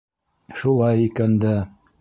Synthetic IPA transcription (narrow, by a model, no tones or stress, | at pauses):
ʃulˠɑjikænd̪æ